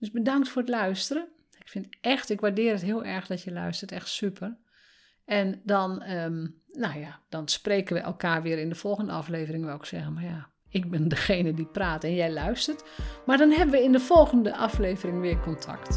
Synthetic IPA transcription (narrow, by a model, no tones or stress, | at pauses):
døsbədɑŋktfʊːətlœɥstərə | ɪkfɪntɛxtɪkʋaɹdɪːrətɦɪːlˠʔɛɹxdɔtjəlœ̰ɥstərtɛxtsypʰər | ɛndɔnəːowjad̥ɔnspreːkənʋəʔɛ̰lˠkaːrʋɪəɾɪndəfɔlˠɣəndəɑfleːvərɪŋʋɛlˠɪksɛɣənmarja | ɪk̚bɪndəxeːjnədipraːtɛnjɛjlœɥstərt | maɹdɔnɦɛbənʋəɪndəfɔlˠɣəndəʔɑfleːvərɪŋʋɪːkɔntʰa̰kt